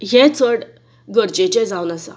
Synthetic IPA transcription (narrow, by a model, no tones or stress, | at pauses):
jet͡sʰəɽ | ɡəɾt͡ɕet͡ɕed͡zawnasa̰